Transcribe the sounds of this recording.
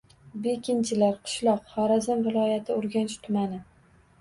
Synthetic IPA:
bekʲɪnt͡ʃʰɪlaɾqʰɨ̥ʃlˠɒqχɒɾazɪmvɪlˠɒjat̪ʰɪoɾɡʲanɪʃt̪ʰʊmanɪ

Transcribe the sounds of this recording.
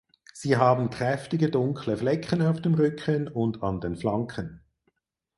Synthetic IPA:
z̥iːɦaːbn̩kʁ̥ɛftɪɡədʊŋkʰləflɛkʰənaʊfd̥eːmʁʏkʰənʊndɑ̰ndenflɑŋkʰən

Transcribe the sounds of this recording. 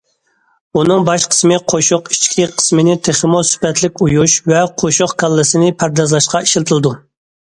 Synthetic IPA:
unɨŋbɑʃqʰə̥smɨqʰoʃʊqi̥t͡ʃkʲʰiqʰə̥smɪnɪt̪ʰeχəmosy̥pɛt̪lɪk̚ʲujuʃvɛqʰoʃʊχkʰɑlˠːɨsɨnɪpʰæɾd̪ɑzlˠɑʃqɑiʃilt̪ʰɨlˠɨd̪u

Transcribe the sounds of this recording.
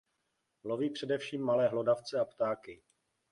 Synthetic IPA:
loviːpr̝̥ɛdɛfʃiːmːalɛːɦlodaft͡sɛapt̪aːkɪ

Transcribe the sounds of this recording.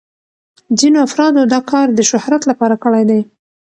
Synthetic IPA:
zinoafɾɑd̪od̪ɑkɑɾd̪əʃʊhɾat̪lapɑɾakəɽajd̪aj

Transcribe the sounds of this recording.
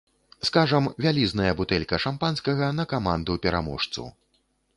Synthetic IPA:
skaʐɐmvʲalʲiznɐjɐbut̪ɛlʲkɐʂampanskɐɣɐnɐkamand̪upʲɛɾa̰mɔ̰ʂt̪sṵ

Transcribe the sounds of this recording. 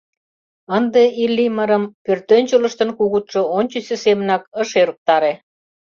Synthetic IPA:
ənd̪eilːiməɾə̆mpørt̪ønʲt͡ɕələ̆ʃt̪ə̆nkuɣut̪ʃŏonʲt͡ɕysʲĕsemənɑkəʃeɾuk̚t̪ɑɾe

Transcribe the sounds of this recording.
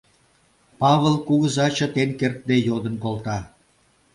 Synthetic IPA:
pɑβəlkuɣəzɑt͡ɕə̆t̪enkert̪̚d̪ejod̪ə̆nkolt̪ɑ

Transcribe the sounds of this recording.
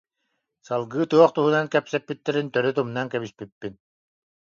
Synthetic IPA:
salˠɡɯːt̪uɔχt̪uɦunankɛpsɛpːit̪ːɛɾint̪œɾyt̪umnaŋkɛβispipːin

